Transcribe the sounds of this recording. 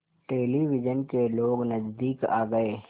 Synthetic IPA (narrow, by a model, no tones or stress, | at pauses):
ʈeːliʋɪd͡ʒənkeloːɡnɐd͡ʒd̪iːka̰ːɡɐeː